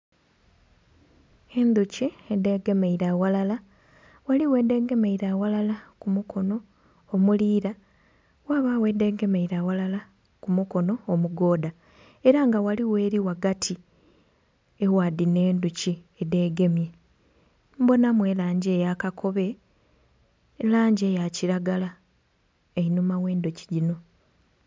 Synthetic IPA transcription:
e̞nd̪uciede̞ːɡe̞meiɾawalala | waliwe̞ːde̞ːɡe̞me̞iɾawalalakumuko̞no̞ː | muliːɾa | waːβawe̞ːde̞ːɡe̞meiɾawalala | kumuko̞no̞ːmuɡo̞ːda | eɾaŋɡawaliwe̞ːɾiwaɡatʰi | ewadine̞ːnduciede̞ɡe̞mje̞ | mbo̞namwe̞ːlaːɲɟeːjakakʰo̞βe̞ | laːɲɟe̞jaciɾaɡala | einumaweːndoci̥ɟino̞

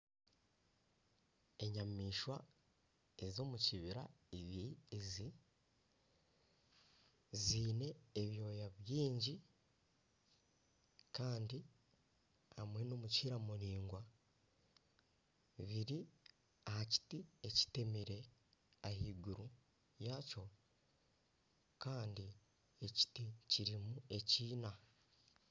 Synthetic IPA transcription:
e̞ɲamiːʃwa | ezo̞ːmuciβiɾa̰iβizi | ziːne̞ːβjo̞ːjaβjiːɲɟi | kaːndi | hamwe̞noːmuciɾamuɾiːŋɡwa | βiɾi | ahaci̥tieci̥temiɾe̞ahiːɡuɾu | jaco̞ | kaːndi | e̞ci̥ticiɾimue̞ciːna

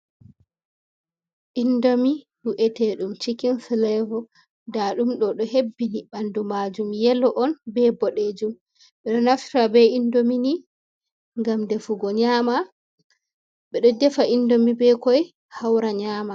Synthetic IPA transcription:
ʔindomihuʔɛtɛɗumt͡ʃikinslɛvɔ | daɗumɗɔɗɔɦebːiniɓandumad͡ʒumjɛlɔʔɔnbɛbɔɗed͡ʒum | ɓɛɗɔnaftabɛindomini | ŋɡamdɛfuɡɔɲaːma | ɓɛɗɔdɛfaʔindomibɛkɔj | hawɾaɲaːma

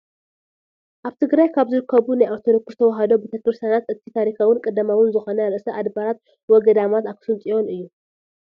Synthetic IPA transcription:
ʔaβt̪ʰɨɡɾajkʰaβzɨɾɨkʰːɐβunajaɾt̪ʰoɾokɨst̪ʰɐwɐɦɐd̪o̞bet̪ʰɐkɾɨst̪ʰjanat̪ɨt̪ʰit̪ʰaɾikʰawʊnkʼɐd̪amawʊnzɨxo̞nɐjaɾʔɨsɐʔad̪baɾat̪̚ | wɔɡɐd̪amat̪akʰɨ̥sɨnt̪ʼijo̞nɨjːu

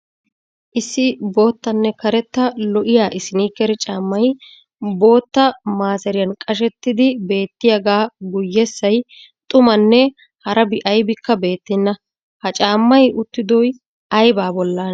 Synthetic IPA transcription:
ʔɪsːɪbo̞ːt̪ːɐnːɛkɐɾɛt̪ːɐlɔʔɪjaːʔɪsɪniːkːɛɾɛt͡ʃʼaːmːɐj | bo̞ːt̪ːɐmaːsɛɾɪjɐnkʼɐʃ̬ɛt̪ːɪd̪ɪbe̞ːt̪ːɪjaɡaːɡʊjːɛsːɐj | t̪ʼʊmɐnːɛ | hɐɾɐbɪʔɐjbɪkːɐbe̞ːt̪ːɪnːɐ | hɐt͡ʃʼaːmːɐjʊt̪ːɪd̪ɔj | ɐjbaːbɔlːaːn

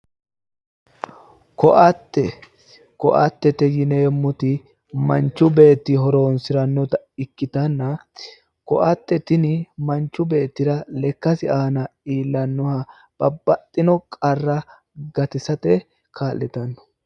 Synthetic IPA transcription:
kɔʔɐt̪ːɛ | kɔʔɐ̰t̪ːɛt̪ɛjɪneːmːɔt̪ɪ | mɐnt͡ʃːʊbe̞ːt̪ːɪɦɔɾoːnsɪɾɐnːɔt̪ɐɪkːɪt̪ɐnːɐ | kɔʔɐt̪ːɛt̪ɪnɪmɐnt͡ʃːʊbe̞ːt̪ːɪɾɐlɛkːɐsɪaːnɐiːlːɐnːɔhɐ | b̥ɐbːɐt̪ʼːɪnɔkʼɐrːɐ | ɡɐt̪ɪsɐt̪ɛ | kʰaːlːɛt̪ɐnːɔ̥

